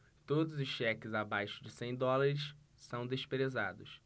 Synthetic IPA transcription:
t̪od̪ʊzʊsʃɛkɪzabajʃʊd͡ʒɪsẽj̃d̪ɔlaɾɪʃ | sɐ̃w̃d̪eʃpɾezad̪ʊs

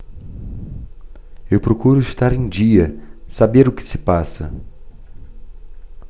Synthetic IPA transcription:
ewpɾokuɾʊɪʃt̪aɾẽj̃d͡ʒiɐsabeɾʊkɪ̥sɪ̥pasɐ̰

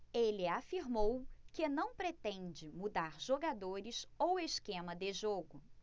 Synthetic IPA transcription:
elɪafiɾmowkɪnɐ̃w̃pɾet̪ẽnd͡ʒɪmud̪aɾʒoɡad̪oɾɪsoweskẽmɐd̪ɪʒoɡʊ

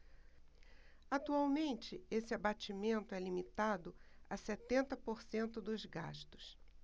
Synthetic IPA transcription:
at̪uawmẽnt͡ʃɪesɪabat͡ʃimẽnt̪ʊɛlimit̪ad̪ʊasɛt̪ẽnt̪ɐpoɾsẽnt̪ʊd̪ʊzɡa̰ʃt̪ʊ̥s

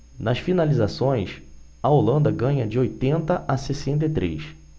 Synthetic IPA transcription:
nɐsfinalizasõj̃s | ɐolɐ̃nd̪ɐɡɐ̃ɲɐd͡ʒɪojt̪ẽnt̪ɐʔɐsesẽnt̪̬et̪ɾḛjs

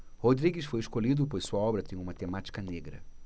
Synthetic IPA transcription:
hod̪ɾiɡɪsfojɪʃkolid̪ʊpojssuɐɔbɾɐt̪ẽj̃ũmɐt̪emat͡ʃi̥kɐneɡɾɐ̰

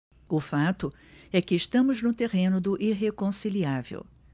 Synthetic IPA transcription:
ʊfat̪ʊ | ɛkɪːʃt̪ɐ̃mʊznʊt̪eʁẽnʊd̪ʊʔiɦekõsiliavḛw

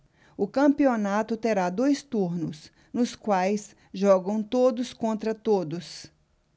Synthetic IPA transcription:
ʊkɐ̃pionat̪ʊt̪eɾad̪ojst̪uɾnʊs | nʊskwajs | ʒɔɡɐ̃w̃t̪od̪ʊskõnt̪ɾɐt̪od̪ʊs

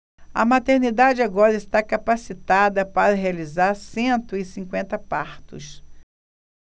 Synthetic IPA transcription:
ɐ̰mat̪eɾnid̪ad͡ʒɪaɡɔɾɐɪst̪akapasit̪ad̪ɐpaɾɐɦealizaɾsẽnt̪ʊɪsĩŋkwẽnt̪ɐpaɾt̪ʊ̰s

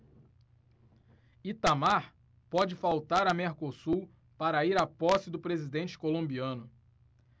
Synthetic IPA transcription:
it̪amaɾ | pɔd͡ʒɪfawt̪aɾɐmeɾkosu | paɾɐiɾapɔsɪd̪ʊpɾezid̪ẽnt͡ʃɪ̥kolõbiɐ̃nʊ

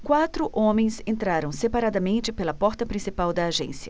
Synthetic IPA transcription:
kwat̪ɾʊʔõmẽj̃sẽnt̪ɾaɾɐ̃w̃sepaɾad̪ɐmẽnt͡ʃɪpelɐpɔɾt̪ɐpɾĩsipawd̪ɐːʒḛ̃sjɐ

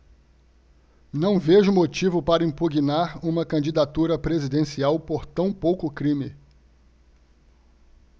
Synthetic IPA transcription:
nɐ̃w̃veʒʊmot͡ʃivʊpaɾɐĩmpuɡinaɾũmɐkɐ̃d͡ʒid̪at̪uɾɐpɾezid̪ẽsiawpoɾt̪ɐ̃w̃powkʊkɾĩmɪ

